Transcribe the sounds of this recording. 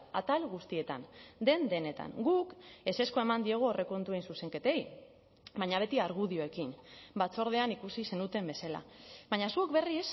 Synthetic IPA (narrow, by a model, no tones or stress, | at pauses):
a̰t̪alɣust̪ie̞t̪a̰nd̪e̞nd̪e̞ne̞t̪a̰ŋɡuke̞se̞sko̞e̞mand̪ieɣ̞uore̞ko̞nt̪uejnsuse̞ŋke̞t̪e̞j | baɲaβ̞e̞t̪iaɾɣ̞uðio̞e̞kinbat͡so̞ɾð̞e̞anikusise̞nut̪e̞mbe̞sala̰βaɲasuekbe̞ris